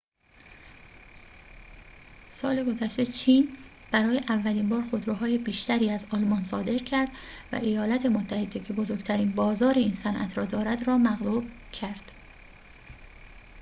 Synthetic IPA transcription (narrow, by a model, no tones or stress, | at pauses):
sɒːle̞ɡo̞zæʃt̪e̞t͡ʃʰiːn | b̥æɾɒːjeʔævːæliːmbɒːɾxod̪ɾoɦɒːjebiːʃt̪æɾiːæzɒlmɒːnsɒːd̪e̞ɾcʰæɾd̪̥ | væ̰ʔejɒːlæt̪ʰe̞mot̪ʰːæhe̞d̪e̞cʰe̞bozoɾɡt̪ʰæɾiːnbɒːzɒːɾeiːnsænʔæ̰t̪ʰɾɒːd̪ɒːɾæd̪ɾɒːmæɣlub̥̚ | cʰæɾd̪̥